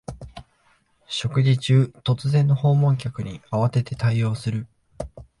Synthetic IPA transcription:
ɕo̞kɯ̟ʑit͡ɕɨːt̪o̞t͡sɨzẽ̞nːo̞ho̞ːmõ̞ŋk̬ʲakɯ̟ɲ̟iaβ̞at̪e̞t̪e̞t̪aijo̞ːsɨɾɯ̟

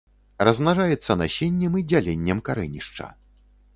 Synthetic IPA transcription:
rɐzmnaʐajɛt̪sːɐnaɕʲenʲːɛmid͡zʲalʲenʲːɛmkaɾɛnʲiʂt͡ʂɐ̰

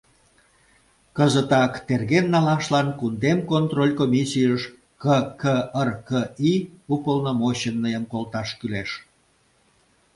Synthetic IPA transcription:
kəzət̪ɑkt̪erɣenːɑlɑʃlɑnkund̪emkont̪rolʲkomʲisʲijəʃ | kəkəərkəiupəlnomoɕənːəjəmkolt̪ɑʃkyleʃ

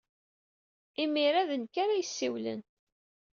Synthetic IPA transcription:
imiɾaðənkaɾajəsːiwlə̰n

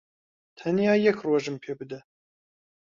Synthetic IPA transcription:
t̪ʰɛnijɑːjɛkroʒɨmpʰeːbɨd̪ɛ

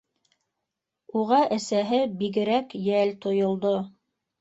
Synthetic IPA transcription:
uʁɑʔɘ̆sæɦɘbiɡɘ̆ɾækjælt̪ʰŏjŏlˠd̪o

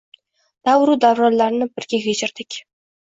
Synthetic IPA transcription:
d̪̥awɾud̪awɾalːaɾnɪbɪɾɡʲeɡʲed͡ʒɪɾd̪̥ɪkʲ

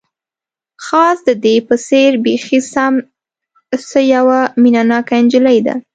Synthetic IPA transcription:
xɑsd̪əd̪epəseɾbexisam | səjawaminɑnɑkand͡ʒələjd̪a̰

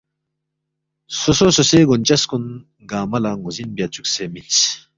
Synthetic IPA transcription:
sosososeɡont͡ɕɐskun | ɡaːmɐlaŋuzinbjat͡suksemint͡s

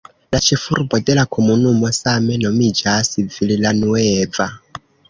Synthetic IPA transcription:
lat͡ʃʰifuɾubɔd̪ɛlakʰomunumɔsamɛnɔmid͡ʒasib̪vililanuwɛːb̪va

